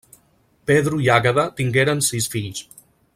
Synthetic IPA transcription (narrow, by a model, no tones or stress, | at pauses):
peðɾuiaɣəðat̪iŋɡeɾənsisfiʎs